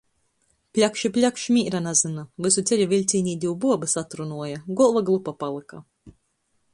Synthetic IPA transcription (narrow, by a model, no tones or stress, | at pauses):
pʲlʲakʃipʲlʲakʃmʲiːɾanazɨnavɨsut̪sɛʎʲuvʲilʲt̪sʲiːnʲiːd̪ʲiwbuɔbɨsat̪ɾunuɔjaɡɔlˠvaɡlˠupapalˠɨka